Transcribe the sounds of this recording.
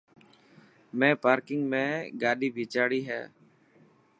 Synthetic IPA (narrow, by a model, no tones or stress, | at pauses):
mẽːpaːɾkɪŋɡmẽːɡaːɗiːbʱiːt͡ʃaːɽiːɦɛ̰ː